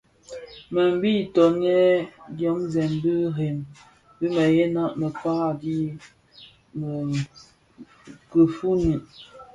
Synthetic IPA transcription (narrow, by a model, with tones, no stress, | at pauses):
mə˨m˦bi˦˨tɔ˨nɛ˦djɔ˨˦mzɛ˨mbi˦ɣe˨m | bi˦mə˨je˦na˦ʔmə˨pa˦a˦di˦ | m˨ | kə˨fu˦ni˨ʔ